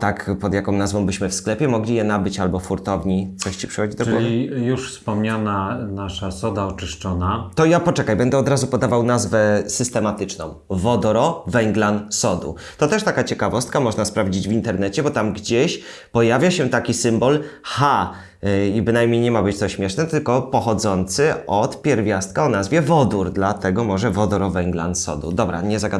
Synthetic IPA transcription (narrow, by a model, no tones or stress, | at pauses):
t̪akpɔd̪jakɔ̃w̃nazvɔ̃w̃bɘɕmɘfsklɛpʲjɛmɔɡlʲijɛnabɘt͡ɕalbɔfuɾt̪ɔvɲit̪sɔɕt͡ɕi̥pʂɛ̥xɔd͡ʑid̪ɔɡɔvʲijuʂfspɔmɲananaʂasɔd̪aɔt͡ʂɘʂt͡ʂɔnat̪ɔjapɔt͡ʂɛkajbɛnd̪ɛɔd̪ɾazupɔd̪avawnazvɛsɘst̪ɛmat̪ɘt͡ʂnɔ̃w̃vɔd̪ɔɾɔvɛŋɡlansɔd̪ṵ | t̪ɔt̪ɛʂt̪akat͡ɕɛkavɔst̪̚kamɔʐnaspɾavd͡ʑid͡ʑvʲint̪ɛɾnɛt͡ɕɛbɔt̪amɡd͡ʑeɕ | pɔjavʲjaɕɛt̪akʲisɘmbɔlxa | ibɘnajmɲejɲɛmabɘt͡ɕt̪ɔɕmʲɛʂnɛt̪ɘlkɔpɔxɔd̪zɔnt̪sɘɔt̪pʲjɛɾvʲjast̪̚kaɔnazvʲjɛvɔd̪uɾd̪lat̪ɛɡɔmɔʐɛvɔd̪ɔɾɔvɛŋɡla̰nsɔ̰d̪ṵd̪ɔbɾa̰ɲɛzaɡad̪